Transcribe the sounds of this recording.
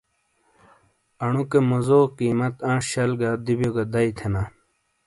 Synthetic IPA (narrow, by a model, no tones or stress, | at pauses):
ɐɳukemozoːkiːmɐt̪ãːʂɕɐlɡad̪ibjoɡad̪ɐit̪ʰena